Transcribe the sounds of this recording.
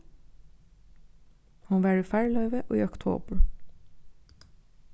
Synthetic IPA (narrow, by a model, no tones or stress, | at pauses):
hɑnʋæːɹiːfæːɹlœʏʋəʔo̰ːḭːɔkt̪ʰo̰ːbəɹ